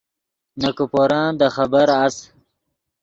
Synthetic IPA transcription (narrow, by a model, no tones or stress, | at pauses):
nakupoɾɑ̃ːd̪əxabaɾas